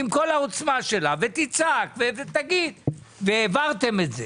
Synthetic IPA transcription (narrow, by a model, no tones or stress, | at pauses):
imko̞laot͡smaʃe̞lavet̪it͡sakvevet̪aɡid̪veevaʁt̪e̞metze